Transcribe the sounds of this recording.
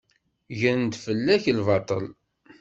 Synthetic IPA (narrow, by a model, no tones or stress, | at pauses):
ʝənt̪fəlːæçlvɑt̪ˤəl